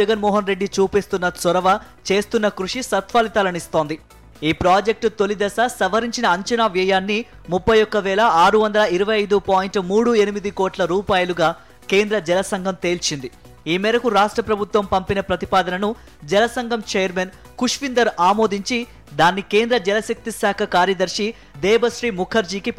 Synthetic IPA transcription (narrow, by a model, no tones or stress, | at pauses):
ɛɡɐnmɔːɦɐnɾe̞ɖːit͡ʃuːpest̪unːɐsɔɾɐʋɐ | t͡ʃe̞ːst̪unːɐkɾuʂisɐt̪ʋaːlit̪ɐlɐnist̪o̞ːnd̪i | iːpɾaːd͡ʒek̚ʈt̪o̞lid̪ɐsɐsɐʋɐɾiɲt͡ʃinɐːɲt͡ʃɐnaːʋɛjaːnːi | mupʰːɐjɔkːɐʋɛːlɐaːɾuʋɐnd̪ɐlɐiɾɐʋɐjɐjd̪upaːjiɳʈmuːɽue̞nimid̪ikoːʈlɐɾuːpaːjɐluɡaː | ke̞ːnd̪ɾɐd͡ʒɛlɐsɐŋɡʱɐmt̪e̞ːlt͡ʃind̪i | iːmɛːɾɐkuɾaːʂʈɾɐpɾɐbʱut̪ʋɐmpɐmpinɐpɾɐt̪ipaːd̪ɐnɐnu | d͡ʒɛlɐsɐŋɡʱɐmt͡ʃɛːjɐɾmen | kuʂʋind̪ɐɾaːmoːd̪iɲt͡ʃi | d̪aːnːike̞ːnd̪ɾɐd͡ʒɛlɐsɐk̚t̪isaːkʰɐkaːɾjɐd̪ɐɾʂi | d̪ɛːbɐʃɾiːmukʰɐɾd͡ʒiːkip